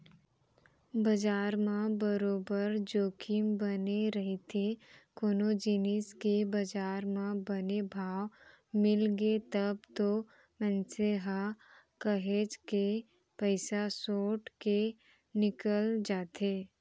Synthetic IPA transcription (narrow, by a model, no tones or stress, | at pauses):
bɐd͡ʒaːɾmãbəɾoːbəɾd͡ʒoːkʰɪmbəneɾɐɦet̪ʰekoːnod͡ʒiːnɪskebɐd͡ʒaːɾmãbɐnebʱaːʋ | mɪlɡet̪əb̚t̪o | mɛ̃nseɦa | kəɦeːd͡ʒke | pəɪsasoːʈke | nɪkəld͡ʒaːt̪ʰeː